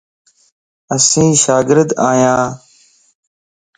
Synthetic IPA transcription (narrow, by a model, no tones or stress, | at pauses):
əsĩːʃaːɡɪɾd̪aːjãː